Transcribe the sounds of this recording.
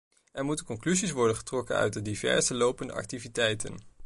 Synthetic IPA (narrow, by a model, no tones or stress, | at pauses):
ʔɛɹmutəkɔŋklyzisʋɔɹdənχə̥trɔkə̰nœ̰ɥt̚dədivɛ̰ɹzəlowpəndə̰ʔɑ̰k̚tivitɛjtə̰n